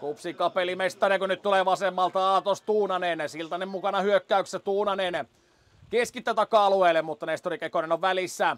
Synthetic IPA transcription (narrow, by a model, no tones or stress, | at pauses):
kupsikɑpelimest̪ɑriɑkønyt̪t̪uleːʋɑsemːɑlt̪ɑɑːt̪ost̪uːnɑnensilt̪ɑnːemmukɑnɑhyøkːæykssæt̪uːnɑnen | keskit̪ːˑæt̪ɑkːɑɑlueːlːemmut̪ːɑnest̪orikekonenoʋʋælisːæ